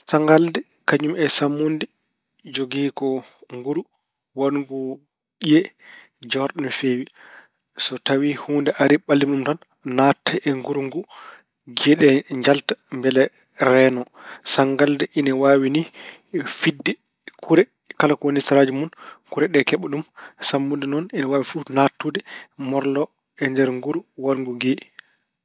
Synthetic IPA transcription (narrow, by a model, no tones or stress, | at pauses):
saŋɡaldɛ | kaɲumɛsamːundi | d͡ʒoɡiːkɔ | ŋɡuɾu | wanɡu | ɓijɛ | d͡ʒɔɾɗɔnfeːwi | sɔtawihuːndɛʔaɾiɓalːimumtanː | atʰːɛɛŋɡuɾuŋɡu | ɡɛɗɛɲd͡ʒaltḁmbɛlɛ | ɾɛːnɔsaŋɡaldɛʔinawaːwini | fidːɛ | kʰuɾɛ | kalakonistɾad͡ʒumunkuɾɛɗɛkɛɓuɗumsambundɛnɔninawaːwifunatːudɛmɔɾlɔ | ɛndɛɾŋɡuɾuwalŋɡuɡɛ